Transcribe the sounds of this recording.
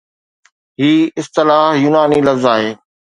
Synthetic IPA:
ɦiːɪst̪ɪlaːɦjuːnaːniːlɐfzaːɦeː

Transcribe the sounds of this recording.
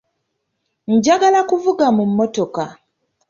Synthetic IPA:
ɲ̩ɟaɡalakuvuɡamumːoto̞ka

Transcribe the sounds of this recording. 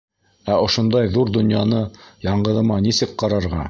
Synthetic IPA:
æʔŏʃŏnd̪ɑjðuɾd̪ŏnjɑnɤjɑɴɢɤ̆ðɤ̆mɑnisɘk̚qɑɾɑɾʁɑ̰

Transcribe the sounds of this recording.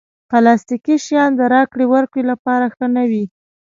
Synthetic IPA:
palɑst̪ikiʃjɑnd̪əɾɑkɽewaɾkɽelapɑɾaxənawi

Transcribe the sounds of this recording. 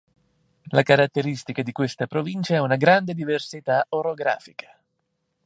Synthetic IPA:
lakaɾat̪ːeɾist̪ikad̪ikwest̪apɾovint͡ʃaɛunaɡɾand̪ed̪iversit̪aʔoɾoɡɾa̰ːfikʰḁ

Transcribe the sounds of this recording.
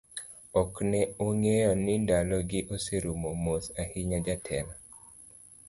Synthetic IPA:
ɔknɛoŋejɔnɪndalɔɡɪʔoseɾumomosahɪɲad͡ʒatʰɛla

